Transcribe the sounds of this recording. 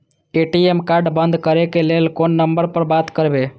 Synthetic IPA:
eʈiemkaɾɖbənd̪ʱkəɾekelelkonːəmbəɾpəɾbat̪kəɾbe

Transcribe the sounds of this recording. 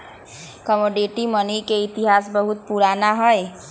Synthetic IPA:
kəmoɖeʈimənikeit̪iɦasbəɦut̪̚puɾanaɦəj

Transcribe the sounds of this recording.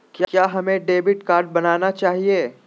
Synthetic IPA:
kjkjaːɦɐmẽɖeːbɪʈkaːɾɖ̚bɐnaːnat͡ʃaːɦieː

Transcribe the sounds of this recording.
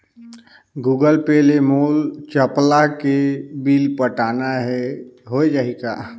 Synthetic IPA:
ɡuːɡəlpeːlemoːlt͡ʃəplakebiːlpəʈaːnaɦɛɦoed͡ʒaːika̰ː

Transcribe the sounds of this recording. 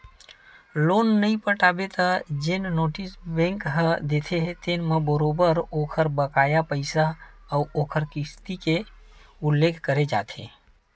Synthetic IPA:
lonːəĩpəʈabet̪əd͡ʒennoːʈisbẽŋkɦəd̪et̪ʰeɦt̪enmebəɾobəɾokʰəɾbəkajapəɪsaəuokʰəɾkɪst̪ikeulːekʰkəɾed͡ʒa̰t̪ʰḛ̃

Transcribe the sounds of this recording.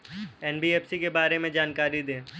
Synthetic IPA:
ɛːnbiːɛːfsikebaːɾemẽd͡ʒaːnkaːɾid̪ẽː

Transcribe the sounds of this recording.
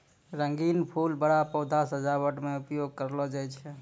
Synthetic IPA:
ɾəŋɡinpʰulbəɽapɔwd̪ʱasəd͡ʒabəʈmeupjoɡ̚kəɾlɔd͡ʒajt͡ʃʰɛ

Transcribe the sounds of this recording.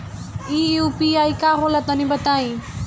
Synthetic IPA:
iupiajkaɦolat̪ɔnibʌt̪aj̃

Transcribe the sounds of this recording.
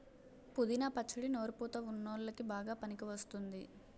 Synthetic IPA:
pud̪inɐpɐt͡ʃːuɽino̞ːɾupuːt̪ɐunːoːllɐkibaːɡaːpɐnikiʋɐst̪und̪i

